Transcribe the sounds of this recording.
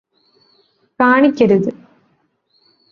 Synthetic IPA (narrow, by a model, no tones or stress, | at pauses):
kaːɳikʲːɐɾuðɨ